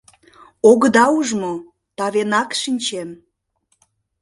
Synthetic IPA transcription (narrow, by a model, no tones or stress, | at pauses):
oɣəd̪ɑuʒmo | t̪ɑβenɑkʃinʲt͡ɕem